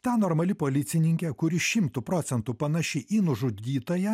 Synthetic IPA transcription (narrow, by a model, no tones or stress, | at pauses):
t̪ɑnoɾmɐlʲɪpoːlʲɪt̪sʲɪnʲɪŋʲkʲɛkʊɾʲɪʃʲɪmt̪ʊpɾoːt̪sʲɛnt̪upɐnɐʃʲɪʔiːnʊʒʊiːt̪oːjɛ